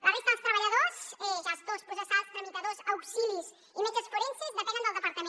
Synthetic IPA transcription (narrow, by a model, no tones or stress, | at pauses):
laɾist̪ãlˠst̪ɾɐβɐʎɐðozɛʒazðospɾusəsast̪ɾɐmit̪ɐðozawksilis | imet͡ʃɐsfoɾensizðɐkɛɣɐnd̪əlˠd̪əpɐɾt̪ɐmẽ